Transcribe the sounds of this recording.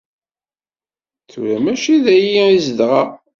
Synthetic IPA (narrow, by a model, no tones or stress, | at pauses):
θṵɾæmæʃiðæjiizəd̪ʁɑ